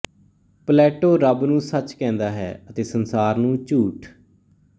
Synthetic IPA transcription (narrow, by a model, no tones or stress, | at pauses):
plɛːʈoːɾəbnũːsət͡ʃkɛ̃ːnd̪aːɦɛ̰ːət̪eːsənsaːɾnũːt͡ʃuːʈ